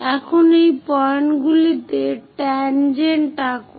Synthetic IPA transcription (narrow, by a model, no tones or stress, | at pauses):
ɛkʰonejpɔjnɡulit̪eʈɛnd͡ʑenʈako